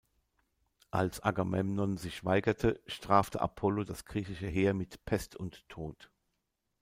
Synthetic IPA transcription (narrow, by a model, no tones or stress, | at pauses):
ʔa̰lsʔa̰ɡamɛmnɔnzɪçv̥aɪɡɐtʰəʃtʁ̥aːftʰə̰ʔa̰pʰɔlodasɡ̥ʁiːçɪʃəɦeːɐmɪtpʰɛstʰʊntʰːoːt